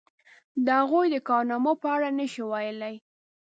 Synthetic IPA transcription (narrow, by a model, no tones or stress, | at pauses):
d̪əhaɣujd̪əkɑɾnɑmopəaɽanəʃiwɑjəlaj